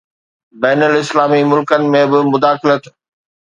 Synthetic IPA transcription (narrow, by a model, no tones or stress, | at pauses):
bɛːnəlɪslaːmimʊlkənɪ̆mẽbɪmʊd̪aːxɪlət̪